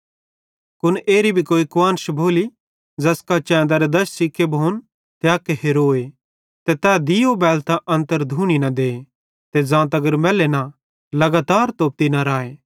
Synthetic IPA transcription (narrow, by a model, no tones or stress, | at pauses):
kʊnʔeːɾibʱikoːikʋaːnʃbʱoːli | d͡zɐskat͡ʃɛ̃ːnd̪aɾed̪ɐʃsɪkʰːebʱoːn | t̪eaːkːeɦeɾoːe | t̪et̪ɛːd̪ijobɛːlt̪aʔɐ̃nt̪əɾd̪ʱuːɽ̃inɐd̪eːe | t̪ed͡zãːt̪̬ɐɡəɾmɛːlena | lɐɡaːt̪aːɾt̪oːp̚t̪inaɾaːeː